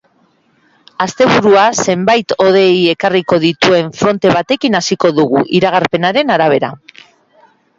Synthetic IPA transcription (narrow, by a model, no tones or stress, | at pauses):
ast̪e̞β̞uɾuase̞mbajt̪o̞ð̞e̞je̞kariko̞ð̞it̪ue̞ɱfɾo̞nt̪e̞β̞at̪e̞kinasiko̞ðuɣ̞uʔiɾaɣ̞aɾpe̞naɾe̞naɾaβ̞e̞ɾa̰